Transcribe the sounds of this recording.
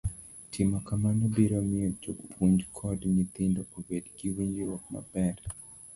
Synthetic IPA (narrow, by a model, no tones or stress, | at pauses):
tʰimakamanɔbiɾomɪot͡ʃokpʰuɲd͡ʒkʰɔdɲit̪ɪndɔʔobedɡiwiɲd͡ʒiɾɔkma̰bɛɾ